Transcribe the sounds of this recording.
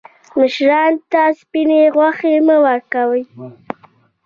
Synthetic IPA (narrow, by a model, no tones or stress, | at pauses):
məʃɾɑnt̪aspineɣwaxeməwaɾkawəj